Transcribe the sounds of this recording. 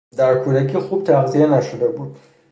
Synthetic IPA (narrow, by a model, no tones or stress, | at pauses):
d̪æɾkʰuːd̪ækʰiːxuːb̥t̪ʰæʁzijenæʃod̪ebuːd̪̥